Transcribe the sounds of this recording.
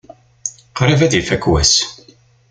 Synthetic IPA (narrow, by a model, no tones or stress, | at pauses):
qɾɪvæðifækwæ̰s